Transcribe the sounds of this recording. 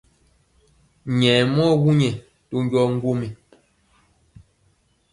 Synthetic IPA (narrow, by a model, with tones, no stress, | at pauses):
ɲɛ˨mɔ˦wu˦ɲɛ˨ | to˦ŋ˦ɡjɔ˦ŋ̩˦ɡo˦mi˨